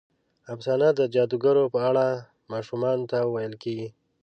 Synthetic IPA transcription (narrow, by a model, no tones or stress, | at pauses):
absɑnad̪əd͡ʒɑd̪uɡaɾopəaɽa | mɑʃumɑnot̪awajəlkeɡi